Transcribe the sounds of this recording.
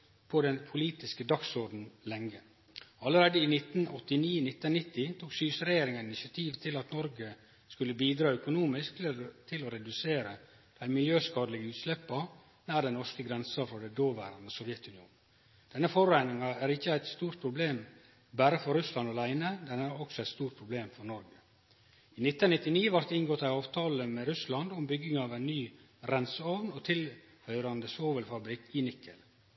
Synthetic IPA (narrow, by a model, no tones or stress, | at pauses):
pʰɔd̪ɛnpʰʊliːt̪ɪskəd̪ɑksɔɾɖn̩lɛŋːə | ɑləɾeːd̪əinɪt̪n̩ɔt̪ːɪniːnɪt̪ːənnɪt̪ːɪt̪ʰuːksyːsɾɛjeːɾɪŋəɪnɪsɪɑt̪ʰiːʋt̪ʰɪlɑt̪nɔɾɡə | skʉlːəbiːd̪ɾɑːœkʊnuːmɪskt̪t̪ʰɪlɔɾɛd̪ʉseːɾə | d̪̥æɪmɪljøːskɑːd̪əlɪɡəʉːt̪slɛpːɑ | næːɖɛnnɔʂkəɡɾɛnsɑfɾɑd̪æɪd̪oːʋæ̰ːɾɑnəsɔʋjɛt̪ʉnɪṵːn | d̪̥ɛnːəfɔɾæɪnɪŋɑæːɾɪçːəæɪt̪st̪uːɾʈ̪̚pʰɾʊbleːm | bæːɾəfɔɾʉslɑnɑlæɪnəd̪ɛnæɾɔksɔæɪt̪st̪uːʈ̚pʰɾʊbleːmfɔɾnɔɾɡə | iːnɪt̪ːənnɪt̪ːɪniːʋɑɾt̪ɪŋɡoːt̪æɪɑːʋt̪ʰɑːləmɛɾʉslɑnd̪ʊmbʏɡɪŋɑʋæɪnnyː | ɾɛnsəɔʋnɔt̪ʰɪl | hœʏɾɑnd̪əsoːʋəlfɑbɾɪkːɪnɪkʰːəl